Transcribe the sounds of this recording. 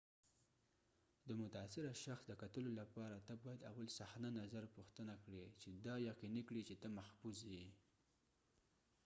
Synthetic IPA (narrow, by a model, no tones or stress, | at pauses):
d̪əmʊt̪aːsɪɾaʃaxsd̪əkat̪əlolapɑɾat̪əbɑjad̪awalsaxnanazaɾpuxt̪ənakɽet͡ʃed̪ɑjaqinikɽit͡ʃet̪əmahfuzi